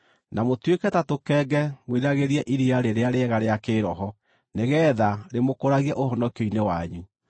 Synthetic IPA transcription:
namotwekɛtatokɛɡɛmweɾaɣeɾiɛʔiɾiaɾeɾeaɾeɛɣaɾeakeɾɔɦɔ | neɣɛːðaɾemokoɾaɣiɛʔohɔnɔkeinewaɲu

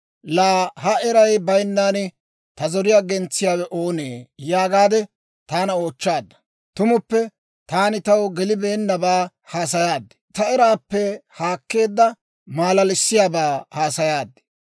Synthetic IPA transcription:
laːhɐɛɾɐjbɐjnːaːnɪ | t̪ɐzɔɾɪjaːɡɛnt͡sːɪjaːwɛʔo̞ːneːjaːɡaːd̪ɛ | t̪aːnɐo̞ːt͡ʃːaːd̪ːɐ̥ | t̪ʊmʊpːɛ | t̪aːnɪt̪ɐwɡɛlɪbe̞ːnːɐbaː | haːs̬ɐjaːd̪ːɛ̥t̪ɐɛɾaːpːɛhaːkːe̞ːd̪ːɐ | maːlɐlɪsːɪjaːbaːhaːsɐjaːd̪ɛ̥

